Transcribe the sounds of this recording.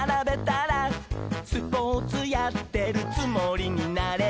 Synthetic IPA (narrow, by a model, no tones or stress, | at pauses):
ɾabe̞t̪aɾasɨpoːt͡sɨjat̪ːe̞ɾɯ̟t͡sɨmoɾʲiɲ̟inaɾe